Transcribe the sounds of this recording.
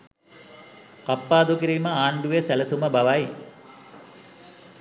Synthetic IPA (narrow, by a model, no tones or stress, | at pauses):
kɐpːaːd̪ukiɾiːmɐaːɳɖ̪uʋesɐlɐsumɐbɐʋaːj